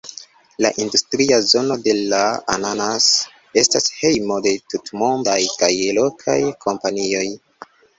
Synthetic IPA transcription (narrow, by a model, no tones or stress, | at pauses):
la̰ʔindustɾiazo̞no̞de̞laananas | e̞stashe̞jmo̞de̞tutmo̞ndajkajelo̞kʰa̰jkʰo̞mpanio̞j